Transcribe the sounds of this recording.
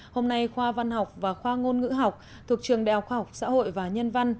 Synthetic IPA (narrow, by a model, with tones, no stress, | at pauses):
ho˧mna˧jxwaː˧va˧nha˨˩wk͡p̚vaː˨˩xwaː˧ŋo˧nŋɨ̰˧˥ɦa˨˩wk͡p̚ | t̪ʰu˨˩ək̚t͡ɕɨ˨˩əŋɗa̰˧˨hɔ˨˩k͡p̚ha˨˩wk͡p̚sa̰ː˧˥ho̰˧˨jvaː˨˩ɲə˧nva˧jŋ